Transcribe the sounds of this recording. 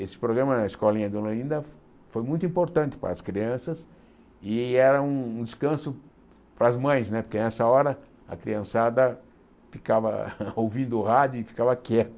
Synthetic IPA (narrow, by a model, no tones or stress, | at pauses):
esɪ̥pɾoɡɾɐ̃mɐnɐɪskɔlĩɲɐd̪oloĩnd̪ɐ | fojmũj̃t̪uĩpoɾt̪ɐ̃nt̪ɪ̥pa̰ɾɐskɾiɐ̃sɐs | ɪɛɾɐũũd̪ɪskɐ̃sʊ | pɾɐzmɐ̃j̃snɛpoɾkenɛsɐɔɾɐ | ɐ̰kɾḭɐ̃sad̪ɐ | fikavɐ̰owvĩnd̪ʊːhad͡ʒʊɪfi̥kavɐkɛt̪ʊ